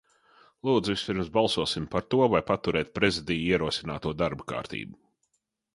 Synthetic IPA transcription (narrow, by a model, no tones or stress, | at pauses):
lˠuːd̪zvispʲiɾmzbalˠsuɔsimpaɾt̪uɔvajpat̪uɾɛːt̪̚pɾezid̪ijiɛɾuɔsinaːt̪uɔd̪aɾbaka̰ːɾt̪ḭːbu